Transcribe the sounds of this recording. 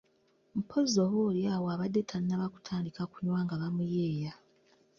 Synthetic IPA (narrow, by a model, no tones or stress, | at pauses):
m̩pʰo̞zoβoːljaːwoaβadːe̞tʰannaβaku̥tʰaːndikakuɲwaːŋɡaβamujeːja